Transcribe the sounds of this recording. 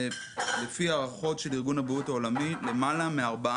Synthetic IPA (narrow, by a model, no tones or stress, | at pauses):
lefiaʁaχo̞tʃeliʁɡunabʁutao̞lamile̞malameaʁba